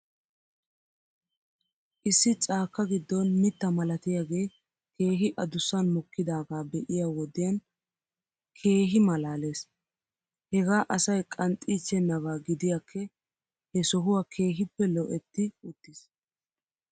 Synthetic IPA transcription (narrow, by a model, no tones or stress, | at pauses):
ʔɪsːɪt͡sʼaːkːɐɡɪd̪ːɔnmɪt̪ːɐmɐlɐt̪ɪjaːɡe̞ː | kʰe̞ːɦɪʔɐd̪ʊsːɐnmɔkːɪd̪aːɡaːbɛʔɪjaːwɔd̪ɪjɐn | kʰe̞ːɦɪmɐlaːle̞ːs | hɛɡaːʔɐsɐjkʼɐnt̪ʼːiːt͡ʃːɛnːɐβaːɡɪd̪ɪjakʰːɛ | hɛsɔɦʊwaːkʰe̞ːɦɪpːɛlɔʔɛt̪ːɪʊt̪ːɪs